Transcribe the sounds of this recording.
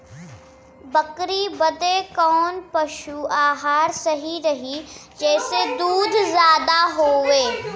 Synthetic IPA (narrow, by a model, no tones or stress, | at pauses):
bɐkɾibɐd̪ekɔːnpɐʃuaːɦaːɾsɐɦiɾɐɦid͡ʒɛːsed̪uːd̪ʱzjaːd̪aɦoːʋeː